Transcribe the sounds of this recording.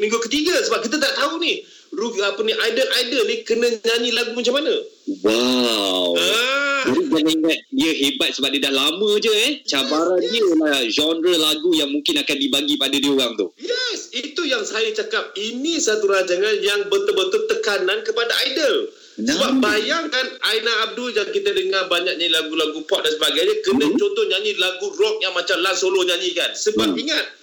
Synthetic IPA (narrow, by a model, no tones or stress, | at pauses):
mĩŋɡukət̪iɡasəbap̚kit̪̬at̪aʔt̪aunih | ruapəniʔajdəlʔajdəlnikənə̃ɲaɲilaɡumat͡ʃamanãwawəd͡ʒadiɡalaiŋat̪̚diəɦebat̪̚səbap̚diədahlamə̃d͡ʒəɛht͡ʃabaɾandiəlad͡ʒɔndɾəlaɡujaŋmũŋkɪnakandibaɡipadadiəoɣaŋt̪ʊhjɛsit̪ujaŋsajat͡ʃakap̚inĩsat̪uɾaɲd͡ʒaŋanjaŋbət̪əbənt̪ʊlt̪əkanãnkəpadaʔajdəl | səbap̚bajaŋkanʔajnaːb̚duljaŋkit̪ədəŋarbaɲak̚ɲaɲilaɡulaɡupɔt̪̚dansəbaɡajɲakənə̃t͡ʃont̪ɔhɲãɲilaɡurɔk̚jaŋmãt͡ʃamlansolohɲãɲikansəbap̚iŋat̪̚